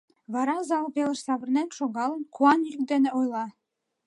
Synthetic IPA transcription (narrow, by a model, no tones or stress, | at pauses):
βɑɾɑzɑlˠpelə̆ʃsɑβə̆rnenʃoɣɑlˠə̆nkuɑnjyk̚d̪enĕojlˠɑ